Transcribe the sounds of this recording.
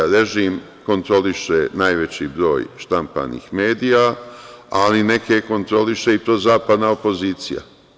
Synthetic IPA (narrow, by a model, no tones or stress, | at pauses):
ɾe̞ʒim | ko̞nt̪ɾo̞liʃenaːjʋe̞t͡ɕibɾo̞̰ːjʃt̪ampa̰nḭxmeːd̪ija | aline̞ke̞ko̞nt̪ɾo̞liʃe̞it̪ɾoːzaːpad̪naopo̞ziːt̪sḭja̰